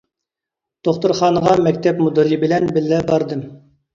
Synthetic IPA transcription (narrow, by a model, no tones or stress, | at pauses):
d̪̥oχt̪uɾχɑːnəʁɑmɛkʲt̪ʰɛpmud̪ɨɾibɪlɛnbɪlːɛbɑɾd̪ɨm